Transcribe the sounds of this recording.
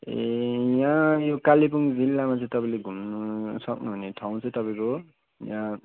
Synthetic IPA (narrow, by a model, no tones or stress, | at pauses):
ejãjokalip̬uŋd͡zilːamat͡sʌ̃j̃t̪ʌpaĩleɡʱumnusʌknuɦuneʈʰawũt͡sʌ̃ĩt̪ʌpaĩko | jã